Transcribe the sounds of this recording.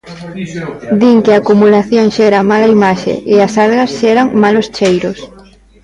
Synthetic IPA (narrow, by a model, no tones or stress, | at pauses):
d̪iŋkɪaːkumulaθjõŋʃɛɾamalaimaʃḛʔɪasalɣɐsʃɛɾaŋmalost͡ʃejɾos